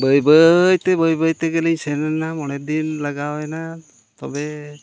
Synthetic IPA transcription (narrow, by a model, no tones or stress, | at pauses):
bəjbəjt̪ɛbəjbəjt̪ɛɡeliɲsɛnanamɔɽɛd̪inlaɡawɛna | t̪ɔbɛ